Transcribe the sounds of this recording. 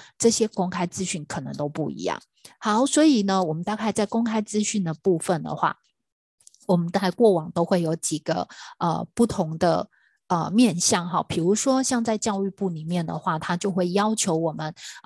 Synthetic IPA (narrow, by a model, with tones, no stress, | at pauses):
ʈ͡ʂɤ˥˨ɕjɛ˥kʊ˥ŋkʰa˥ɪt͡sɹ̩˥ɕy˥˩nkʰɤ˨˩nɤ̰˧˦ŋt̪o˥ʊpu˥˩ḭ˧˦jɑ̰˥˩ŋ | hɑ˨˦ʊswɔ˧˥i˨˩nə˦wɔ˨˩mə˦nt̪a˥˧ka˥˧ɪt͡sa˥˩ɪkʊ˥ŋkʰa˥ɪt͡sɹ̩˥ɕy˥˩nd̪ə˩pu˥˩fə˨nd̪ə̰˨˩xwa̰˥˩ | wɔ˨˩mə˨˦nt͡sa˥˧ɪkwɔ˥˩wɑ˨˩ŋt̪o˥ʊxwe˥˩ɪjo˧˥ʊt͡ɕi˨˩ɡ̥ə̰˩ə̰˧pu˥˩t̪ʰʊ˧˥ŋd̪ə̰˧ | ə˧mjɛ˥˨nɕjɑ˥˩ŋɦɑ̰˥˩pʰi˨˩ɻu˧˥ʂwɔ˥ɕjɑ˥˧ŋt͡sa˥˧ɪt͡ɕjɑ˥˧ʊy˥˧pu˥˩ni˨˩mjɛ˥˩nd̪ə̰˩xwa˥˩t̪ʰa˥t͡ɕjo˥˧ʊxwe˥˩ɪjɑ˥ʊt͡ɕʰjo˧˥ʊwɔ˨˩mə˦n